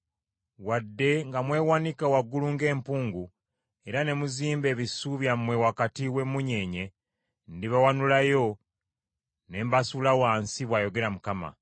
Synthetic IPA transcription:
wadːe̞ŋɡamwe̞ːwanikawaɡːuluŋɡe̞ːmpuːŋɡu | e̞ɾane̞muziːmbe̞ːβisuβjamwe̞wakatiwe̞muɲe̞ːɲe̞ | ndiβawanulajo̞ | ne̞mbasulawaːnsiβwaːjo̞ɡe̞ɾamukama̰

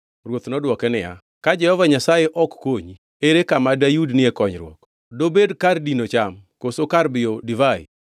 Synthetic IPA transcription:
rwot̪nɔdwɔkɛnɪja̰ | kad͡ʒɛhɔvaɲasajeʔɔkːoɲi | eɾekamadajudnɪɛkɔɲɾwɔ̰k | dobedkardinot͡ʃamkosokarbɪjodɪvaɪ̰

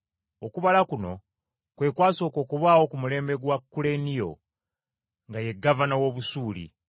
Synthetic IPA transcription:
okuβalakuno̞ | kwe̞ːkwaːso̞ːko̞ːkuβaːwo̞kumule̞ːmbe̞ɡwakːule̞nijo̞̰ | ŋɡaje̞ɡːavanawo̞ːβusuːlḭ

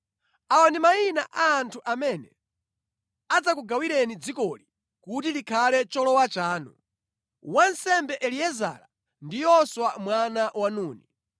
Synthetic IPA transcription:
awandimainaʔaːntʰuʔamɛnɛ | ad͡zakuɡawiɾɛnid͡zikɔli | kutilikʰalɛt͡ʃɔlɔwat͡ʃaːnṵ | wansɛmbɛʔɛliɛza̰ːɾa | ndijɔswamwanawanuːni

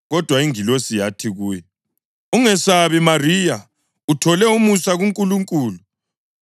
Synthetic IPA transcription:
ɣɔd̥ʱwaiŋilosijatʰiɣuːjɛ | uŋɛsaβimarija | utʰɔlɛumusaɣuŋkʼuluŋkʼuːlu

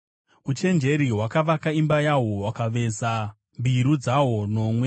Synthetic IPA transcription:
ut͡ʃe̞nd͡ʒe̞ɾiwakaʋakaimbajaɦo̞wakaʋe̞za | mbʱiɾud͡zawo̞no̞mwe̞

